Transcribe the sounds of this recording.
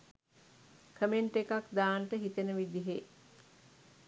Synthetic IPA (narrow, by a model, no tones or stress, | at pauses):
kʰəmeɳʈekakd̪aːnəʈəɦit̪enəʋid̪iɦe